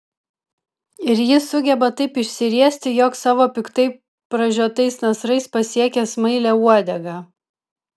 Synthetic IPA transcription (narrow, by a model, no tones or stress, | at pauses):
ɪɾjɪsʊɡʲɛbɐt̪ɐɪpɪʃʲsʲɪɾʲiɛsʲt̪ʲɪjɔksɑːʋoːpʲɪkt̪ɐɪ | pɾɐʒʲuɔt̪ɐɪsnɐsɾɐɪspɐsʲiɛkʲɛsmɐɪlʲɛuɔd̪ʲɛɡɑː